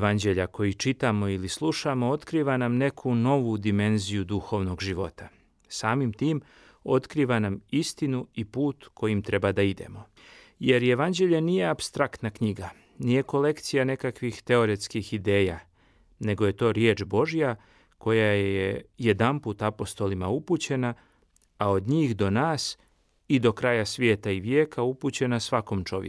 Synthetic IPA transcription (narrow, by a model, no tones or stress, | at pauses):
ʋand͡ʑe̞ʎako̞jit͡ʃit̪amo̞ilislˠuʃamo̞o̞t̪kɾiːʋanamne̞kʰuno̞ʋud̪ime̞nzijud̪uxo̞ʋno̞ɡʒiʋo̞t̪a | saːmimt̪iːm | o̞t̪kɾiːʋanamist̪inuipuːt̪kʰo̞jimt̪ɾe̞bad̪aid̪e̞̰mo̞ | je̞ɾje̞ʋand͡ʑeʎanije̞apst̪ɾakt̪nakɲiɡa | nije̞ko̞le̞kt̪sijane̞kakʋixt̪e̞o̞ɾe̞t̪skixid̪eːja | ne̞ɡo̞je̞t̪o̞ːɾje̞ːt͡ʃbo̞ʒija | ko̞jajeje̞d̪amput̪apo̞st̪o̞limauput͡ɕe̞na | ao̞d̪ɲiːxd̪o̞naːs | id̪o̞kɾaːjasʋje̞ːt̪aiʋjeːkʰaupuːt͡ɕe̞nasʋako̞mt͡ʃo̞̰ʋj̰